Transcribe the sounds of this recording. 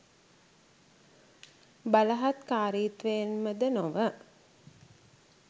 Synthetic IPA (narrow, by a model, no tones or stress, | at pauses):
baləɦat̪kaːɾiːt̪ʋeːnməd̪ənoʋə